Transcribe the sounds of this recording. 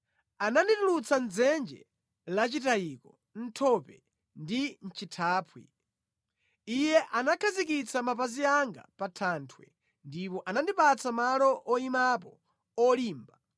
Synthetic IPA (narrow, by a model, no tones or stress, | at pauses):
ananditulut͡sanzɛnd͡ʒɛ̰ | lat͡ʃitajikɔ | n̩tʰɔpɛ̰ | ndin̩t͡ʃʰitʰaːpʰwḭ | ijɛʔanakʰazik̬it͡samap̬aziaŋɡa̰patʰantʰwɛ̰ | ndipɔʔanandipat͡samalɔʔɔimapɔ | ɔliːmba